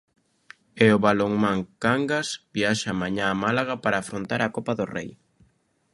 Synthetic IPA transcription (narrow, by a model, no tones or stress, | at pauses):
eʊβaloŋmaŋkaŋɡasbiaʃamaɲaːmalaɣapaɾaːfɾont̪aɾakopaðʊrḛj